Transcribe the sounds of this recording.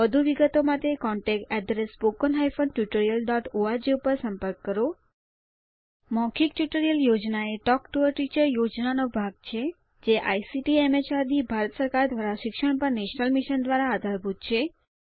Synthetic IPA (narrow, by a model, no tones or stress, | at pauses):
ʋəd̪ʱuʋiɡət̪omãt̪ekɔɳʈek̚ʈɛd̪ɾespokənɦajfənʈjuʈəɾijəlɖɔʈoaɾd͡ʒeupəɾsəmpəɾkːəɾo | mɔ̃kʰikʈjuʈəɾijəljod͡ʒnaeʈɔkʈuəɾʈit͡ʃəɾjod͡ʒnanobʱaɡ̚t͡ʃʰe | d͡ʒeʔa̰jsiʈiemet͡ʃaɾd̪ibʱaɾət̪səɾkaɾd̪ʋaɾaʃɪkʃəɳ̃pəɾneʃnəlmiʃənd̪ʋaɾaːd̪ʱaɾbʱut̪̚t͡ʃʰe